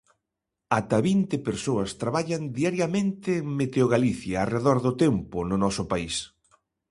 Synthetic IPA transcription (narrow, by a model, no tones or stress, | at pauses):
at̪ɐβint̪ɪpeɾsoɐst̪ɾaβaʎɐnd̪iaɾjɐmẽnt̪ɪːŋmet̪eoɣaliθjɐːreðɔɾðʊt̪empʊnʊnɔsʊpais